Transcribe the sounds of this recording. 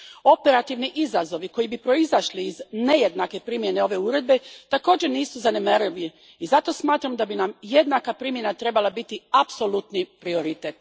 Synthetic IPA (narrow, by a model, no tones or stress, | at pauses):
o̞pe̞ɾat̪iʋniʔizazo̞ʋiko̞jibipɾo̞izaʃliːzne̞je̞d̪nake̞pɾimje̞neo̞ʋe̞uɾe̞d̪̚be̞t̪ako̞ːd͡ʑeniːsuzanemaɾiliː | zat̪o̞smaːt̪ɾamd̪abinamje̞d̪nakapɾimjenat̪ɾe̞balˠabit̪iapso̞lˠut̪nipɾio̞ɾit̪et̪